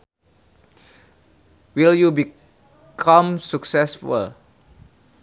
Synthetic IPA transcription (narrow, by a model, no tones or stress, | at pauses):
wiljubi | kʰãmsuksɛsfṵl